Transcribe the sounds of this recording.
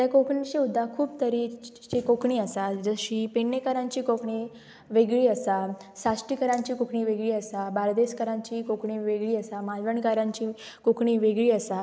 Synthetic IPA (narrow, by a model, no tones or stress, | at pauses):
t̪jakokɳit͡ɕiud̪ʱːakʰuːbt̪əɾi | t͡ɕikokɳiːəsad͡zəɕipenːekaɾãɲt͡ɕiːkokɳi | ʋeɡɭiːəsa | sasʈikəɾãɲt͡ɕiːkokɳiːʋeɡɭiːəsabaɾd̪eskəɾãɲt͡ɕiːkokɳiːʋeɡɭiːəsamalʋəɳkaɾãɲt͡ɕiː | kokɳiːʋeɡɭiːəsa